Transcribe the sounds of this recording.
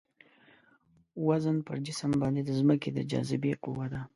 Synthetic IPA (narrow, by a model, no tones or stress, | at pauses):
wazənpəɾd͡ʒɪsəmbɑnd̪ed̪əzməked̪ə̰d͡ʒɑ̰zɪbequwad̪a